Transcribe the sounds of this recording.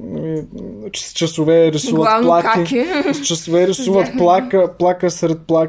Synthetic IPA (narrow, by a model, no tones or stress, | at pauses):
nɐmi | t͡ʃst͡ʃɐsovɛɾisuvətlplˠak̪ist͡ʃɐsovɛɾisuvət̪plˠakəplˠakəsɾɛt̪̚plˠa